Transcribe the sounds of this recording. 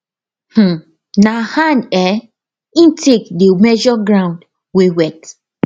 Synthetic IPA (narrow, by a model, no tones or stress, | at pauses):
h̩ | nahãndɛ | ĩntʰekdemɛd͡ʒɔɡɹãʊ̃nd | wewɛt